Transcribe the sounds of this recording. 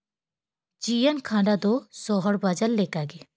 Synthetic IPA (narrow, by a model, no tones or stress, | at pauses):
d͡ʒijankʰãɖad̪ɔsɔɦɔɽbad͡ʒalːekaɡe